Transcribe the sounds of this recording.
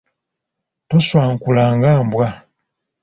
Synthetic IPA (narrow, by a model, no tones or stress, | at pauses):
toswaːŋkulaːŋɡaːmbwa